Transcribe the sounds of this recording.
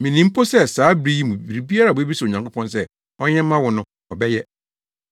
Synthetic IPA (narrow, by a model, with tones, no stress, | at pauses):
mĩ˨nĩ˦m̩˦pʰo˦sɛ˦saː˨˦bɾi˦ji˦mũ˨bi˨ɾi˨bi˦a˦ɾa˨˦e˦bi˦so˨ɲã˨ŋ˨kʰo˦pʰɔ̃˦ns̬ɛ˦ | ɔ˦ɲɛ̃˦m̩˦mã˦wʊ˨nʊ̃˦ | ɔ˨bɛ˦jɛ˦